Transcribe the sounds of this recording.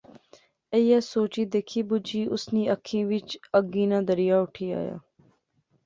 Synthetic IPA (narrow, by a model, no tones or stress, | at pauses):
ejaːsoːt͡ʃiːd̪eːkʰiːbʊd͡ʒiːʔʊsniːəkʰːĩːʋɪt͡ʃəɡiːnãːd̪əɾijaːʊʈʰiːa̰ːja̰ː